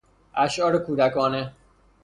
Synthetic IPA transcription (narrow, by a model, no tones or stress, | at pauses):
ʔæʃʔɒːɾekʰuːd̪ækɒːne